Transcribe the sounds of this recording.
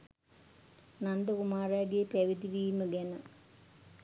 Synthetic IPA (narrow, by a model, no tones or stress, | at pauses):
nand̪əkumaːɾaːɡeːpæʋid̪iʋijməɡɛnə